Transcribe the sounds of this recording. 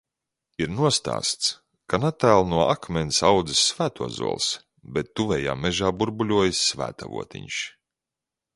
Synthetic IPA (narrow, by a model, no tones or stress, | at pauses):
iɾnuɔst̪a̰ːst̪s | kanat̪æːlˠnuɔʔakmʲɛnsawd̪zɨsːvæːt̪uɔzṵɔlˠs | bɛt̪ːuvʲɛja̰ːmʲɛʒaːbuɾbulʲuɔjisːvæ̰ːt̪a̰vṵɔt̪ḭɲʃ